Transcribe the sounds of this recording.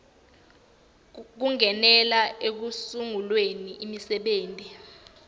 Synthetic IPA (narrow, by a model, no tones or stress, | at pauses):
k̬uŋɛnɛlaek̬usuŋulweniʔimisɛɓeːntʼi